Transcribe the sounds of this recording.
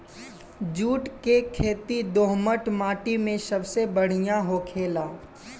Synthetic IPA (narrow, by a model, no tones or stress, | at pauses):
d͡ʒuːʈkekʰeːt̪id̪oːɦməʈmaːʈimẽsɐbsebəɽ̤ɪjaɦokʰeːlaː